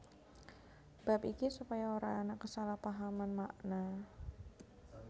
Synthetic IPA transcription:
b̥apikisupajaoɾaŋanakəsalahpaɦamanmaʔna

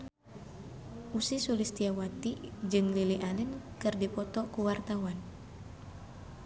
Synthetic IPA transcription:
ʔusisulist̪iawat̪id͡ʒɨŋliliʔanɛnkɨrdipɔt̪ɔkuwart̪awan

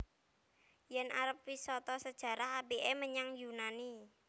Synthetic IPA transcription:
jɛnʔa̰ɾəp̚wisɔt̪ɔsəd̥ʒ̥ä̤ɾahabeʔɛməɲaŋjunani

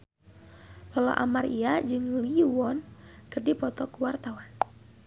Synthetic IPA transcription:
lɔla̰ʔa̰mariad͡ʒɨŋliwɔnkɨrdipɔt̪ɔkuwart̪awan

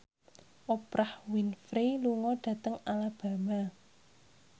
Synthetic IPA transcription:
ʔopɾahwinfɾiluŋɔɖ̥ä̤t̪əŋalab̥a̤ma

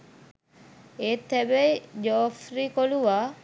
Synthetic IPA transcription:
eːt̪ːæbejd͡ʒoːfɾikoluʋaː

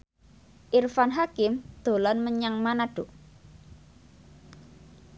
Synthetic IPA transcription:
ʔirfanɦakɪmd̪̥o̤lanməɲaŋmanaɖ̥o

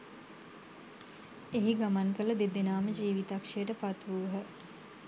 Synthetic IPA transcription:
eɦiɡamankələd̪ed̪enaːməd͡ʒiːʋit̪akʂejəʈəpat̪ʋuʋɦə

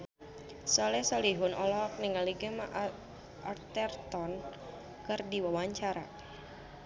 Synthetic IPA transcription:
sɔlɛsɔliɦunɔlɔk̚niŋaliɡəmaʔ | ʔart̪ɛrt̪ɔn | kɨrdiwawaɲt͡ʃaɾa̰

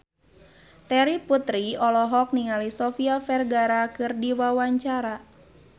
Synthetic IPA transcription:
t̪ɛɾiput̪ɾiɔlɔɦɔk̚niŋalisɔfiafɛrɡaɾakɨrdiwawaɲt͡ʃaɾa

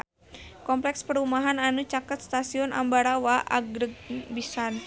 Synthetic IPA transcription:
kɔmplɛkspəɾumaɦananut͡ʃakət̪̚st̪asiɔnʔa̰mbaɾawaʔa̰ɡɾəɡ̚bisan

